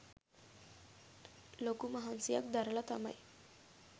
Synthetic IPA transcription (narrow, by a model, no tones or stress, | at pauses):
lokuməɦansija̰k̚d̪aɾlat̪a̰ma̰j